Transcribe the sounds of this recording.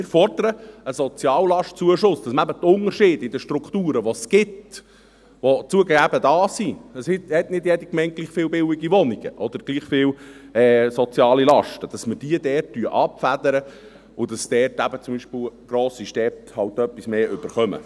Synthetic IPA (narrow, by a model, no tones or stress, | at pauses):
mɪːɾfɔrd̪əɾəəsɔt͡sjɑːllɑʃt̚t͡suəʃʊsd̥ɑsməæbət̪ʊnərʃɪːd̥ɪd̪əʃtɾukt̪uːɾəʋɔsɡ̥ɪt | ʋot͡suəɡæbəd̪ɑːsiəsɪthɛtnɪdjɛd̥ikmɛɪnt̚ɡ̥liːχfɪːwbɪwiɡiʋɔniɡ̥ə̰ʔɔd̥̪əɾɡ̥liːχfɪːwɛːsɔt͡sjɑːlilɑʃtəd̥ɑsməd̥iədɛːrtːyəʔɑpfæd̪əɾə | ʊd̥ɑsd̥̪ɛːrtæbət͡sʊmbiːʃpəwɡ̥ɾoːsiʃtɛphɑwtœpːismeːʏb̥əɾχœmə̰